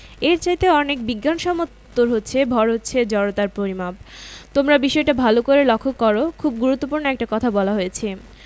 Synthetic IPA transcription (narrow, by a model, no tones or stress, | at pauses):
eɾt͡ɕajt̪eɔnek̚biɡːanʃɔmot̪ːoɾɦotːɕʰebʱɔɾɦotːɕʰed͡ʑɔɾot̪aɾpɾoɾimap̚t̪omɾabiʃɔeʈabʱalokoɾelɔkʰːokːɔɾokʰubɡuɾut̪ːopuɾnoɛk̚ʈakɔt̪ʰabɔlaɦojet͡ɕʰe